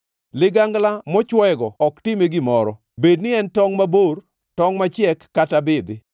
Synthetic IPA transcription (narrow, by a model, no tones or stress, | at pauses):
lɪɡaŋɡlamɔt͡ʃwɛɡɔɔktɪmeɡɪmɔɾɔ | bednɪɛntɔŋmabor | tɔŋmat͡ʃjɛkːatabɪd̪ɪ